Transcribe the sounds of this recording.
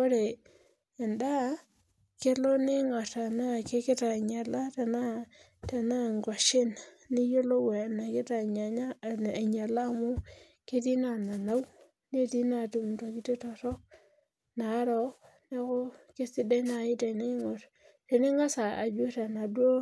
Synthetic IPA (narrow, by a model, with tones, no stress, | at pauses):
ko˦ɾeː˨ | nda˦ | ke˦lo˦ni˦ŋo˨ta˨na˦˨ke˦ke˦ta˨ɲa˨la˦ta˨na˦ | ta˨na˦˨ŋɡwa˨ʃɪ˦n | ni˦jo˦lo˦we˨na˨ke˦ta˨ɲa˨ɲa˦˨a˨ɲa˨la˦˨mu˦ | ke˦ti˦na˨na˨na˦w | ne˦ti˦na˦˨tu˨m˨ta˨ki˦te˦to˨tɔ˦ | na˨˦ɾo˦ | ne˦ko˦ke˦si˦de˦na˨ji˦te˨ni˦ŋo˨t | te˨ni˦ŋa˦sa˨a̰˨d͡ʒu˦ta˨na˨dwo˦